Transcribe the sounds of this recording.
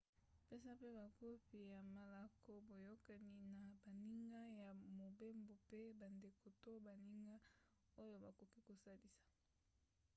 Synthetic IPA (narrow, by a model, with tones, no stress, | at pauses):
pe˦sa˦pe˦ba˨ko˦fi˨ja˨ma˨la˨kʰo˦bo˨jo˦ka˨ni˦na˨ba˨ni˦ŋɡa˦ja˨mo˨be˦mbo˨pe˦ba˨nde˨ko˨to˦ba˨ni˦ŋɡa˦ | o˦jo˦ba˨ko˨ki˦ko˨sa˦li˨sḁ˨